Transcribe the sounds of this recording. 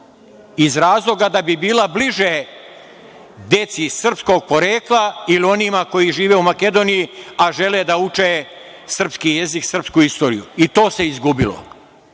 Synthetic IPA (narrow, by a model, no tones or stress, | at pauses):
izɾaːzlˠo̞ɡad̪abibiːlabliʒe | d̪e̞t̪sisr̩psko̞ɡ̚po̞ɾeːklˠailio̞nimako̞jiʒiːʋeumake̞d̪o̞ːnijiaʒe̞led̪aut͡ʃe | sr̩pskije̞ziksr̩pskuist̪o̞ːɾḭjṵit̪o̞ːse̞izɡubilo̰